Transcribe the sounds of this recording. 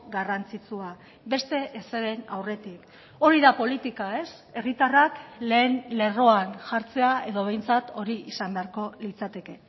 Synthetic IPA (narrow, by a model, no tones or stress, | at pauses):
ɡarant͡sit͡sua | be̞st̪e̞ʔeseɾe̞nawre̞t̪ik | o̞ɾiðapo̞lit̪ikae̞s | e̞rit̪arakle̞ːnle̞ro̞anʝaɾt͡se̞ae̞ðo̞β̞e̞jnt͡sat̪o̞ɾiisambe̞aɾko̞lit͡sat̪e̞ke̞